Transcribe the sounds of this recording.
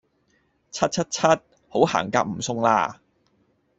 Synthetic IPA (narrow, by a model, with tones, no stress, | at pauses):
t͡sʰɐ˥t̚t͡sʰɐ˥t̚t͡sʰɐ˥t̚ | ho˨˥wha̰ː˨˩ŋkaː˧k̚m̩˨˩sʊ˧ŋla̰ː˧